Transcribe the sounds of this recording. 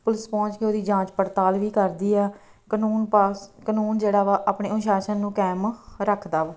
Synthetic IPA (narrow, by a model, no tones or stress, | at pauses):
pʊlɪspɔ̃ːt͡ʃkeoːd̪iːd͡ʒãːt͡ʃpəɾt̪aːlʋiːkəɾd̪iːɛː | kənuːnpakənuːnd͡ʒeːɽaːʋaːʔaːpɳeːʊnʃaːʃənːũːkɛːmɾəkʰd̪aːʋː